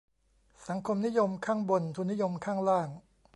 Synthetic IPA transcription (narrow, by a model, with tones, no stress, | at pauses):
sa˩˦ŋkʰo˧mni˦˥jo˧mkʰaː˥˩ŋbo˧nt̪ʰuː˧nːi˦˥jo˧mkʰaː˥˩ŋɾaː˥˩ŋ